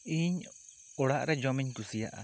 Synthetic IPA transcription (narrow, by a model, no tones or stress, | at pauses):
iɲ | oɽaʔɾed͡ʒomiɲkusia̰ʔa̰